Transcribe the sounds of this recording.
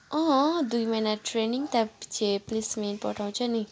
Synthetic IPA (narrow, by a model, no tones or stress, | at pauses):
ʌ̃ɦd̪ujmʌjnaʈɾeniŋt̪apt͡ʃʰeplismenpɔʈʰaw̃t͡sʰʌni